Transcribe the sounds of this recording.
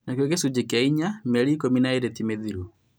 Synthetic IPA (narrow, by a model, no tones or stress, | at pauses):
nakɔkɛsud͡ʒɛkɛiɲamɛɾikɔminaiɾɛtimɛðiɾu